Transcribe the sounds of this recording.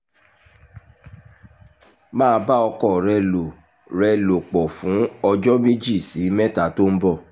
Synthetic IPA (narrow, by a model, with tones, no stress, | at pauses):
mãː˦˨˧ba˦ɔ˧kɔ˦˨ɾɛ˧lo˨ | ɾɛ˧lo˨k͡pɔ˨fũ˨˦ɔ˧d͡ʒɔ˦mi˦d͡ʒi˦˨si˨˦mɛ˦ta˨to˦n̩˦bɔ˦˨